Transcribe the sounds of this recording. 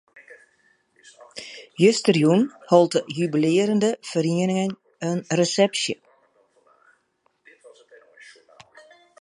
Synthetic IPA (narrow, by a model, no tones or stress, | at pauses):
jøstərjunhɔlˠtəjybilɪːəɾəndəfəriənɪŋən | ənresɛpsjə